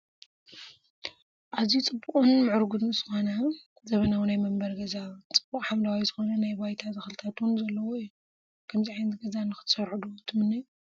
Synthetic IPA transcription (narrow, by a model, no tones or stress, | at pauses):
ʔazit͡sʼɨbːukʼunmɨʕɨɾɡud̪nzɨxonɐ | zɐβɐnawunajmɐmbɐɾɡɐzat͡sʼɨb̥ːukʼħamlawajzɨxo̞nɐnajbajt̪ʰazɐxɨlɨt̪ʰat̪wunzɐlːɐwoijːu | kʰɐmziʕajnt̪ɡɐzanɨxɨ̥t̪sɐɾħud̪uwt̪ʰɨmɨnːɨj